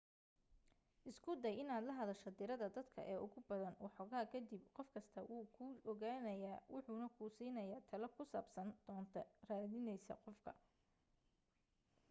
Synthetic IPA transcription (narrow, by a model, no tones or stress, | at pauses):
ʔɪskʰʊd̪ɛjɪnaːd̪lɐɦɐðɐʃɐd̪ɪɾɐðɐd̪ɐd̪kʰɐ̰ʔɛːʔʊɣʊbɐðɐnwħɔɣaːkʰɐd̪ibqɔfkʰɐst̪ʰɐwuːkʰʊɔɣaːnɐjaːwʊħʊnɐkʰuːsiːnɐjaːt̪ʰɐlɐkʰʊsa̰ːbsɐnd̪̥ɔːnt̪ʰɐraːðɪnɛjsɐ̰qɔfkʰɐ